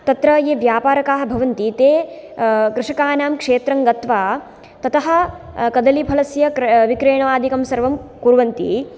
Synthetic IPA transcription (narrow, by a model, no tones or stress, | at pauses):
t̪ɐt̪ɾɐjeːʋjaːpaːɾɐkaːɦɐ̆bʱɐʋɐnt̪it̪eː | kɾɪʂɐkaːnaːmkʂeːt̪ɾɐŋɡɐt̪ʋaː | t̪ɐt̪ɐɦɐ̆ | kɐd̪ɐlipʰɐlɐsjɐkʋikɾeːɳɐʋaːd̪ʱikɐmsɐɾʋɐmkuɾʋɐnt̪ḭ